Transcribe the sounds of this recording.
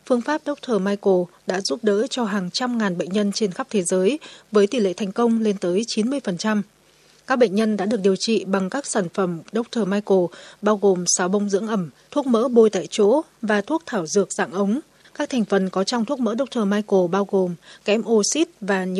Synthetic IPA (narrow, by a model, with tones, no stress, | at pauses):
fɨ˧əŋfaː˦˥p̚ɗə˦˥wk͡p̚t̪ʰəː˨˩maː˧jko˨˩ɗa̰ː˧˥zu˦˥p̚ɗə̰ː˧˥t͡ɕɔ˧ɦaː˨˩ŋt͡ɕa˧mŋaː˨˩nɓə̰˧˨ŋ̟ɲə˧nt͡ɕe˧nxa˦˥p̚t̪ʰe˨˦zəː˨˦jvəː˨˦jt̪i˨˩lḛ˧˨t̪ʰɛ˨˩ŋ̟kə˧wŋ͡mle˧nt̪əː˨˦jt͡ɕi˨˦nmɨ˧əjfə˨˩nt͡ɕa˧m | kaː˦˥k̚ɓə̰˧˨ŋ̟ɲə˧nɗa̰ː˧˥ɗɨ˨˩ək̚i˨˩əwt͡ɕḭ˧˨ɓa˨˩ŋkaː˦˥k̚saː˧˩nfə˧˩mɗə˦˥wk͡p̚t̪ʰəː˨˩maː˧jko˨˩ɓaː˧wɣo˨˩msaː˨˦wɓə˧wŋ͡mzɨ̰˧˥əŋʔə˧˩mt̪ʰu˦˥ək̚mə̰ː˧˥ɓo˧jt̪a̰ː˧˨jt͡ɕo̰˧˥vaː˨˩t̪ʰu˦˥ək̚t̪ʰaː˧˩wzɨ˨˩ək̚za̰ː˧˨ŋʔə˨˦wŋ͡m | kaː˦˥k̚t̪ʰɛ˨˩ŋ̟fə˨˩nkɔ˨˦t͡ɕɔ˧wŋ͡mt̪ʰu˦˥ək̚mə̰ː˧˥ɗə˦˥wk͡p̚t̪ʰəː˨˩maː˧jko˨˩ɓaː˧wɣo˨˩mkɛ˨˦mʔo˧si˦˥t̚vaː˨˩ɲ˧